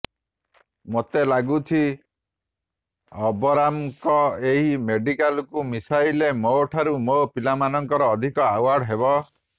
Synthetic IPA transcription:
mot̪elaɡut͡ʃʰi | ɔbɔɾamkɔeɦimeɖikalkumisailemoʈʰaɾumopilamanɔŋkɔɾɔːd̪ʱikɔawaɾɖɦeβɔ

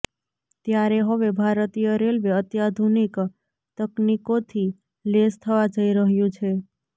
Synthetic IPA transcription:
t̪jaɾeɦəʋebʱaɾət̪ijəɾelʋeət̪jad̪ʱunik | t̪əknikot̪ʰi | lest̪ʰəʋad͡ʒəiɾəɦjũt͡ʃʰe

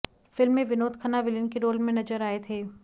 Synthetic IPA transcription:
fɪlmːẽʋɪnoːt̪kʰənaʋɪlɪnkeɾoːlmẽnɐzəɾaːet̪ʰeː

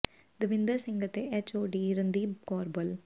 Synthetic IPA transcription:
d̪əʋɪnd̪əɾsɪ̃ŋɡɐt̪ːeʔet͡ʃoːɖiːɾɐnd̪iːkoːɾbɐl

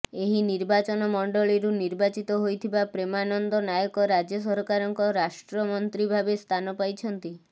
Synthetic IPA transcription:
eɦiniɾbat͡ʃɔnɔmɔɳɖɔɭiɾuniɾbat͡ʃit̪ɔɦojt̪ʰibapɾemanɔnd̪ɔnajɔkɔɾad͡ʒjɔs̬ɔɾkaɾɔŋkɔɾaʃʈɾɔmɔnt̪ɾibʱabest̪ʰanɔpajt͡ʃʰɔnt̪i

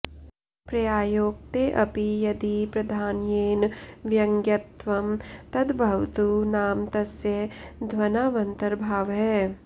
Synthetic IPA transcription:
pɾɐjaːjoːɡ̚t̪eʔɐpijɐd̪ipɾɐd̪ʱaːnjeːnʋjɐ̃ŋɡjɐt̪ʋɐmt̪ɐd̪bʱɐʋt̪unaːmt̪ɐsjɐd̪ʱʋɐnaʋɐ̃nt̪ɐɾbʱaːʋɦɛː

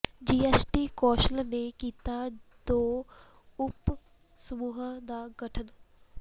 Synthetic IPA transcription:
d͡ʒiːesʈiːkɔːʃəlnekiːt̪ad̪oː | ʊp | səmuːɦəd̪aːɡɐʈʰən

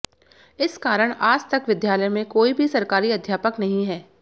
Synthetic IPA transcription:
ɪskaːɾəɽ̃aːd͡ʒt̪ɐkʋɪd̪jaːləjmẽkoːibʱisɐɾkaːɾiɐd̪ʱjaːpəknɐɦĩɦɛː

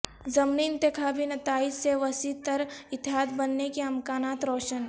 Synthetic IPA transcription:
zɐmniːnt̪ekʰaːbinɐt̪aːid͡ʒseʋɐsit̪əɾɪt̪ɪɦaːt̪bɐnːekeɐmkaːnaːt̪ɾɔːʃən

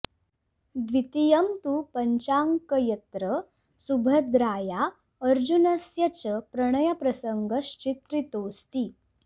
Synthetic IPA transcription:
d̪ʋit̪ijɐmt̪uːpəɲt͡ɕaŋkəjət̪ɾə | subʱəd̪ɾaːja | əɾd͡ʑunɐsjɐt͡ɕəpɾɐɽ̃əjapɾɐsəŋɡʱəɕt͡ɕit̪ɾit̪oːst̪i

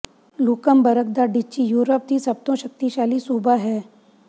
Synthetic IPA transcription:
luːkəmbɐɾək̚d̪aɖɪt͡ʃːijuːɾəp̚d̪ʱisɐb̚t̪õʃək̚t̪iʃaːlisuːbaɦɛː

